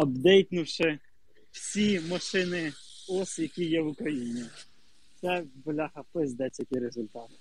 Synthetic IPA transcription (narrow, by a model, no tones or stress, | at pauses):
ɐbd̪ɛjt̪nʊwʃɪ | w̥sʲimɐʃɪnɪ | ɔsjɐkʲijɛʋʊkɾɐjinʲi | t̪sɛbɔlʲɑhɐpɪzʲd̪ɛt͡sʲjɐtʲɪɾezʊlʲt̪ɑt̪